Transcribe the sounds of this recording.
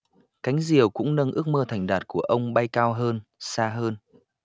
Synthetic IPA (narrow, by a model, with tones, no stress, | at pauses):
ka˨˦jŋ̟zi˨˩əwkʊ̰˧˥ŋ͡mnə˧nʔɨ˦˥ək̚məː˧t̪ʰa˨˩jŋ̟ɗaː˨˩t̚ku˧˩əʔə˧wŋ͡mɓa˧jkaː˧wɦəː˧nsaː˧ɦəː˧n